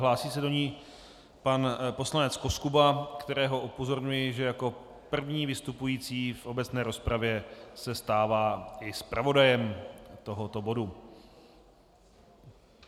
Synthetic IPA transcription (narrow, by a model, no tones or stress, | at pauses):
ɦlaːsiːsɛdo̞ɲiː | panpo̞slanɛt͡sko̞skubakt̪ɛɾɛːɦo̞ʔupo̞zo̞ɾɲujɪʒɛjako̞ | pr̩vɲiːvɪst̪upujiːt͡siːfʔo̞bɛt͡snɛːɾo̞spɾavjɛsɛst̪aːvaːɪspɾavo̞dajɛmt̪o̞ɦot̪o̞bo̞du